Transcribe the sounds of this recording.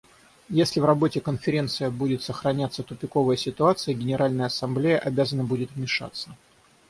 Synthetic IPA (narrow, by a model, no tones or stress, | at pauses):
jesʲlʲɪvrɐbo̞tʲɪkənfʲɪɾʲe̞nt̪sɨjəbudʲɪt̪səxɾɐnʲat̪sət̪ʊpʲɪko̞vəjəsʲɪt̪ʊat̪sɨjəɡʲɪnʲɪɾalʲnəjəɐsɐmblʲejəʔɐbʲazənəbudʲɪt̪vmʲɪʂa̰t̪sːə